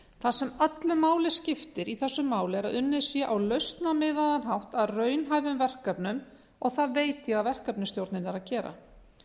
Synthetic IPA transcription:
θasɛmat̪lʏmaːwlɪscɪft̪ɪɾiθɛsːʏmːaːwlɪɛɾaðʏnːɪ̥sjɛʔawlœɥst̪namɪːðaðanɦawht̪aðrœːɥnɦaːjvʏmvɛr̥kapnʏm | ɔɣθaðveːjt̪jɛɣaðvɛr̥kapnɪst̪jowɾt̪nɪnɛɾaðcɛːɾa̰

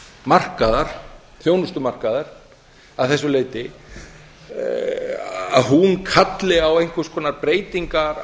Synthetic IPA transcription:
mar̥kaðaɾ̥ | θjoːwnʏst̪ʏmar̥kaðaɾ̥ | aðθɛsːʏleːjt̪ɪ | a̰ðɦunkʰat̪lɪawejn̥kvʏskʰɔːnaɾpɾeːjt̪iŋkaɾ

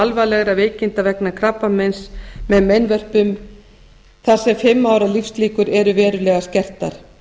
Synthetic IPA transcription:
alvalɛɣɾaveːjcɪnt̪avɛknakʰɾapːamɛnsmɛðmejnvœr̥pʏm | θḁsɛmfɪmːaːwɾalifsliːkʏɾɛɾʏvɛːɾʏlɛːɣascɛr̥t̪a̰ɾ̥

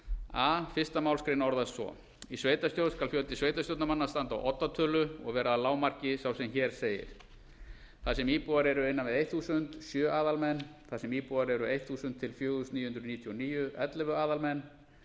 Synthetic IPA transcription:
aːfɪ̥st̪amaːwlskɾejnɔɾðast̪svɔ̰ | isveːjt̪ast̪jowskalfjœlt̪ɪsveːjt̪ast̪owt̪namanːast̪ant̪a̰wʔɔt̪ːat̪ʰœːlʏɔ̰ɣvɛːɾaːlaːwmar̥cɪsawsɛmçɛːɾ̥seːjɪ̰ɾ̥ | θaðsɛmiːpuaɾɛɾʏɪnːavɪðejt̪θusʏnt̪sjœːʔaːðalmɛnːθaðsɛmiːpuaɾɛɾʏejt̪θusʏnt̪ʰːɪlfjœːust̪niːjʏʏnd̪ɾʏniːt̪ʰiɔniːjʏʔœt̪lɛvʏaːðalmɛnː

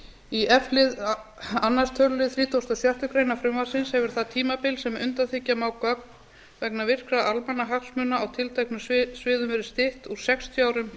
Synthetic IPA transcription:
iʔɛflɪðanːast̪ʰœlɪθɾiːt̪ʰowst̪asjar̥t̪ʏkɾeːjnafɾʏmvaɾ̥sɪnshɛvʏɾ̥θat̪ʰiːmapɪlsɛmʏnt̪anθɪcːamawkœk̚ | vɛknavɪr̥kɾaðalpanːaɦaksmʏnːaawt̪ʰɪlt̪ʰajknʏssvɪːðʏmvɛɾɪst̪ɪht̪uɾ̥sɛkst̪ʰjiaːwɾʏm

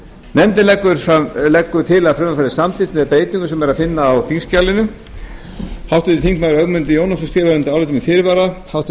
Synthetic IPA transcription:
mɛnt̪ɪlɛkːʏɾ̥falɛkːʏɾt̪ʰɪlaðfɾœmafaːɾɪsamθɪ̥t̪mɛðpɾeːjt̪niŋkʏsɛmɛɾaðfɪnːaːwθinscalɪnʏ | hawht̪ʏðɪt̪iŋkmaðɾœɣmʏnt̪ɪjoːwnasʏst̪ɪːvaɾɛnt̪ɪawlɪt̪ʏmɪfɪɾvaɾahawht̪

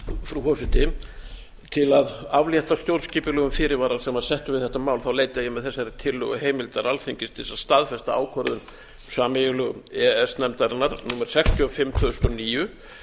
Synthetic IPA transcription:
fɾufɔwsɪt̪ɪ | t̪ʰɪlaðavljɛht̪ast̪jowɾsciːpʏlœːɣʏmfɪːɾɪɾvaːɾalsɛmaðsɛht̪ʏvɪðθɛht̪ːamaːwlθawleːjt̪ɪɛjɪmɛðθɛsːaɾɪt̪ʰɪlːœ̰ɣʏɦeːjmɪlt̪aɾalθiɲcɪst̪ʰɪsast̪aðfɛst̪aa̰ːwkʰɔɾðʏm | saːmɪjʏlʏɣɛɛsnɛmt̪aɾɪnaɾnumɛɾ̥sɛkst̪ʰjiɔfɪmːt̪ʰʏʏst̪ɔniːjʏ

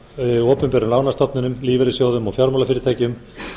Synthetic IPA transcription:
ɔːpʏmpɛːɾʏmlaːwnast̪ɔpnɪnʏmliːvɛɾɪsjoːwðʏmɔɣfjaɾmawlafɪɾɪ̥ɾt̪aːjcɪʏm

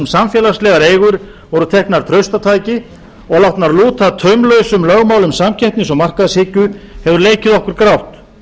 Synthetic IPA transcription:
msamfjɛːlaslɛɣaɾeːjɣʏɾ̥ | vɔɾʏt̪ʰɛhknaɾ̥t̪ʰɾœɥst̪at̪ʰaːjcɪ | ɔɣlawt̪naɾluːt̪at̪ʰœɥmlœɥsʏmlœɣmawlʏmsamcʰɛjhp̪nɪsɔmar̥kaðɪshɪːcʏhɛvʏɾleːjcɪðɔhkʏɾ̥kɾawht̪

